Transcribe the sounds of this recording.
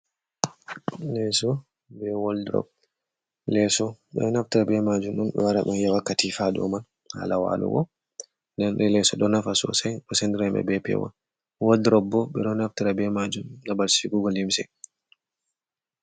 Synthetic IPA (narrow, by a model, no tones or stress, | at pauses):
lɛsɔ | bɛwɔldɾɔ̰b̚ | lɛsɔɓɛ̰naftiɾabɛmad͡ʒumɗunɓɛ̰waɾa̰ɓɛnjawakːatifadɔ̰mal | ha̰ːlawa̰lɔ̰ɡɔ̰ | ndɛnɾɛlɛsɔɗɔnafasɔ̰sajɗɔsɛndiɾamɛ̰bɛpɛ̰wa̰n | wɔldɾɔbːɔɓɛɗɔnaftiɾabɛmad͡ʒumnabalsi̥fiɡuɡɔlimsɛ̰j